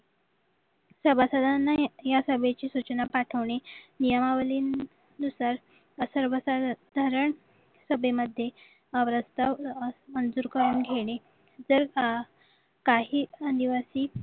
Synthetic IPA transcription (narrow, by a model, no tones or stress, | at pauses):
səbʱasad̪ʱanːajasəbʱet͡ɕiːsut͡ɕənapaʈʰəʋɳenijəmaʋəliːn | d̪usaɾ | əsəɾʋəsad̪ʱəɾəɳ | səbeməd̪ʱːje | əʋɾəst̪amənd͡zuːɾkəɾuːnɡʱeɽ̃e | d͡zəɾ | kaɦiːəniʋasiː